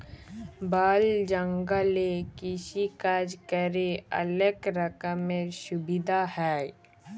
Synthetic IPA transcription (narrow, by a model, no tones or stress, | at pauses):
baːld͡ʒə̃ŋɡəlekɪʃikad͡ʒkəɾeɐ̰ləkɾəkəmeʃʊbɪd̪ʱahɛː